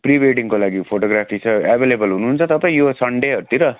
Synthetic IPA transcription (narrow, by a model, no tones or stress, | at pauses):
pribeʈiŋkolaɡipʰoʈoɡɾapʰisʰʌabʱelebʌlɦunuɦːnt͡sʰʌt̪ʌpajosʌɳɖeɦʌɾut̪iɾʌ